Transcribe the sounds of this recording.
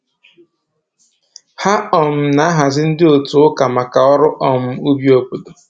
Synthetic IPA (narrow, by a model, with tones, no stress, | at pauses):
ha˦ɔ˨m̩˨na˨a˦ɦa˨zɪ˦n̩˦dɪ˦o˨tu˨ʊ˦ka˨ma˨ka˨ɔ˦ɾʊ˦ʔɔ˨m̩˦u˦bi˦o˦po˨do˨